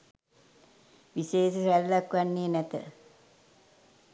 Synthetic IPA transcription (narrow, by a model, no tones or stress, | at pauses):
ʋiseːʃəsælːakʋanːeːnæt̪ə̰